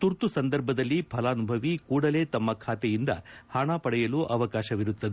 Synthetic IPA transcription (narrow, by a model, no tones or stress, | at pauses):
t̪uɾt̪usɐnd̪ɐɾbʱɐd̪ɐlːipʰɐlaːnubʱɐʋikuːɽɐle̞ːt̪ɐmːɐkʰaːt̪ɛjind̪ɐ̰haːɳaːpɐɽɛjɐluːʔɐʋɐkaːʃɐʋiɾut̪ːɐd̪